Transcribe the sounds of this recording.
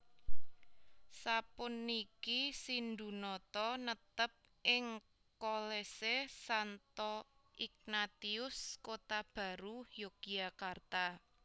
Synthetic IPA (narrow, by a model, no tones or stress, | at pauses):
sapʊnikisind̪ṳnɔt̪ɔnət̪əp̚ | ʔɪŋ | kolesesant̪ɔik̚nat̪iʊskot̪ab̥ä̤ɾuhjokiakart̪a